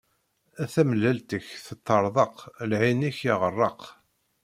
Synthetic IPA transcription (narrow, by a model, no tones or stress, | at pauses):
æθæməlːælt̪əçθət̪ːəɾˤðˤəqlʕiniçiʁərˤːɑq